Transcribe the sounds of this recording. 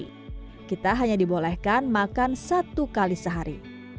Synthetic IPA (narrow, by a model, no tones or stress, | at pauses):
kit̪aɦaɲadibolɛhkanmakansat̪ukalisəɦaɾḭ